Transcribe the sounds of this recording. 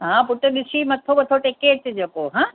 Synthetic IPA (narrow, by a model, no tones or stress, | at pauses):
ɦãːpʊʈɪɗɪsʰimɐt̪ʰobɐt̪ʰoʈekeːʈd͡ʑeːkoɦãː